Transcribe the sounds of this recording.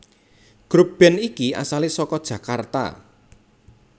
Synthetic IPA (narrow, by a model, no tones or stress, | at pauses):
ɡ̥ɾub̥ɛnikia̰salisɔkɔd̥ʒ̥ä̤kart̪a̰